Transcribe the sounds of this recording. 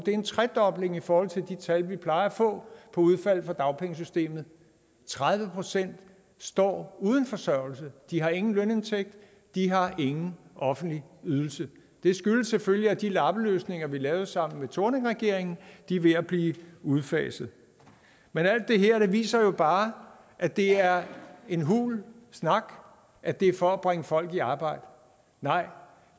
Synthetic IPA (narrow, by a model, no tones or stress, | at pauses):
d̥e̝ɐe̝nt͡sʰʁɛd̥ɒ̽b̥le̝ŋifɒːhɒ̽l̰t͡sʰe̝ld̥it͡sʰælʋipʰlɑ̈ɪɐfɔ̰̽ːpʰɒ̽uð̞ˠfæl̰ˠfɒ̽d̥ɑ̈ʊpʰeŋəs̬ysd̥e̝̰ːmð̞̩ˠ | t͡sʰʁað̞ˠʋəpʰʁo̝sen̰d̥ | sd̥ɒ̰ːuːð̞ˠn̩fɒ̽sɶɐ̰l̩səd̥iɦɑ̈e̝ŋn̩løne̝nt͡sʰeɡ̥̚d̥ | d̥iɦɑ̈ʔe̝ŋn̩ʔɒ̽fn̩d̥liyðˠl̩sə | d̥e̝sɡ̥yləsefølliæd̥ilɑ̈b̥əløːsne̝ŋɐʋilɛːʊsɑ̈m̰n̩met͡sʰo̝ɐneŋʁɛɡ̥e̝ɐ̰eŋn̩d̥iʋe̝æb̥liːuð̞ˠfɛ̰ːsð̞̩ˠ | menæl̰d̥ːe̝ɦeɐ̰d̥e̝ʋḭːsɐjo̝b̥ɑ̈ː | ʔæd̥e̝æɐe̝nɦṵːlsnɑ̈ɡ̥ | ʔæd̥e̝ɐfɒ̽æb̥ʁeŋəfɒ̽l̰ɡ̥iɑ̈ːb̥ɑ̈ɪ̰d̥ə | nɑ̈ɪ̰